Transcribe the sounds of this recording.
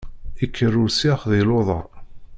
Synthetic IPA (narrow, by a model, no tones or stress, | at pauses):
ikʰːərːʊɾsiχðiloðˤɑ̰ɾˤ